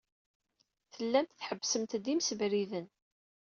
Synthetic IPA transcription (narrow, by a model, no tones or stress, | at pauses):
θəlːæmt̪θħəbːsəmt̪d̪imsəvɾiðən